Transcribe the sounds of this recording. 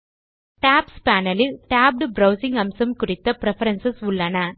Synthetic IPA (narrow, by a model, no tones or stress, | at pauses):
ʈaːpspaːnɐlɪlʈaːb̚ɖbɾɐʊsɪ̃ŋɡɐmsɐmkʊrɪt̪ːɐpɪɾɛfɐɾɐnsɐsʊɭːɐnɐ